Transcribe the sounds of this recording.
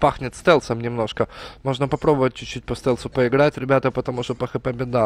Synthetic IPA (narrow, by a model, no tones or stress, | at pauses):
paxnʲɪt̪st̪ɛlˠsəmnʲɪmno̞ʂkəmo̞ʐnəpɐpɾobəvət̚ʲt͡ɕʊt͡ɕːut̚ʲpɐst̪ɛlʲˠsʊpəɪɡɾatʲɾʲɪbʲat̪əpət̪ɐmuʂt̪opɐxɨpəbʲɪd̪a